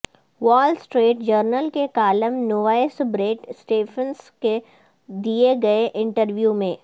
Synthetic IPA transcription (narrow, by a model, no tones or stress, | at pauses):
ʋɔːlsʈɾeːʈd͡ʒəɾnəlkekaːləmnoʋaːesbɾeːʈsʈeːpənske | d̪ieɡɐeʔɪ̃ɳʈəɾʋjumẽː